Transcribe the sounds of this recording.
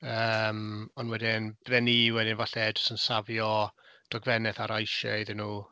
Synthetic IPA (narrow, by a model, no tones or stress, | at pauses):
əmɔnwɛdɪnb̥ðɛniwɛdɪnvaɬɛdɔ̥sənsavjɔd̥ɔɡvɛnɛθaɾajʃɛ̰iðɪnuː